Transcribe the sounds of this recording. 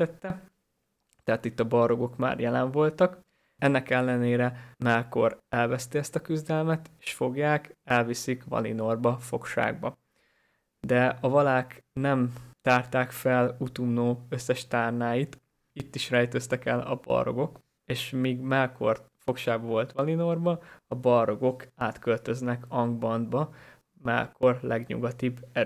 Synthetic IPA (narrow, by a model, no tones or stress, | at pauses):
ɛt̪ːɛ | t̪ɛaːt̪it̪ːɒbɒro̞ɡo̞kma̰ːrjɛlɛɱvo̞lt̪ɒk | ɛnːɛkɛlːɛneːɾɛmɛlko̞ɾɛlvɛst̪iɛst̪ɒkyzd̪ɛlmɛt̪e̥ːʃfo̞ɡjaːkɛlvisikvɒ̰lḭno̞rbɒfo̞kʃa̰ːɡ̚bɒ | d̪ɛɒvɒlaːknɛmt̪aːrt̪aːkfɛlut̪umnoːø̞sːɛʃt̪aːrnaːjit̪ | it̪ːiʃrɛjt̪øst̪ɛkɛlɒ̰bɒ̰ro̞̰ɡo̞k | eːʃmiːɡmɛlkorfo̞kʃaːɡbɒvo̞lt̪ʋɒlino̞rbɒɒbɒrːo̞ɡo̞kaːt̪kølt̪ø̞znɛkɒŋɡbɒnd̪bɒ | mɛ̰lko̞rlɛɡɲṵɡɒt̪ibːɛ